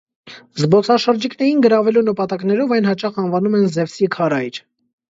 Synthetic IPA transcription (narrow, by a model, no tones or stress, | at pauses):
zbɔt͡sʰɑʃəɾd͡ʒiknɛɾinɡəɾɑvɛlunəpɑt̪ɑknɛɾɔvɑjnhɑt͡ʃɑχɑnvɑnumɛnzɛvsikʰɑɾɑjɾ